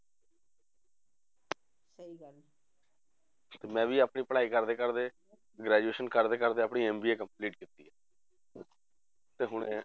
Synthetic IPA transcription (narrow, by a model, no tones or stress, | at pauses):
t̪eːmɛ̃ːʋiːapɳiːpəɽaːiːkəɾd̪eːkəɾd̪eː | ɡɾɛːd͡ʒueːʃənkəɾd̪eːkəɾd̪eːəpɳiːɛːmbiːeːkəmpliːʈ̚kiːt̪ːḭːɛː | t̪eːɦʊɳḛː